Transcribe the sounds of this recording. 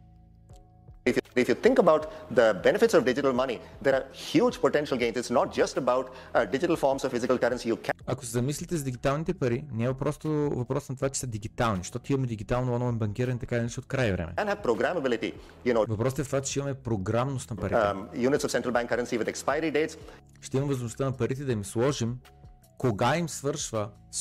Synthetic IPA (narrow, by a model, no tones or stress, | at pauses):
ɪfjɪfjut̪ʰɪ̃ŋkəbaʊʈd̪əbɛnɪfɪʈsɔʋɖɪd͡ʒɪʈəlmʌnid̪eɾaɾhjuːd͡ʒpoʈɛ̃nʃəlˠɡẽnsɪtsnɔʈ̚d͡ʒɐsʈəbaʊʈ | ɖɪd͡ʒɪʈəlˠfɔːɾmsɔʋfɪzɪkəlkɐɾə̃nsijukʰɐko̥sɛzɐmislit̪ɛzɐd̪iɡit̪alˠnit̪ɛpɐɾinʲamɐpɾɔst̪ovɐpɾɔsnɐt̪ovat͡ʃɛ̥sɐd̪iɡit̪alˠniʃt̪ɔt̪imɐmɛd̪iɡit̪alˠnoɔnlˠajnbɐŋk̟iɾɐnɛit̪ɐkaid̪ɐnɛʃt̪ɛot̪̚kɾajvɾɛ̰mɛ̰ɛ̃nhæʋpɾoɡɾæməbɪlɪʈḭ | junovɐpɾɔst̪ɛft̪vakt̪t͡ʃimɐmɛpɾoɡɾamnost̪nɐpɐɾitjuːnɪtsɔfsɛ̃ɳʈɾəlˠbæ̃ŋkːɐɾə̃nsiʋɪd̪ɛkspaɪəɾiɖeːʈs | ʃt̪ɛimɐmvɐzmost̪ənɐpɐɾit̪ɛd̪ɐimslˠɔʒim | koɡaimsvəɾʃvə | s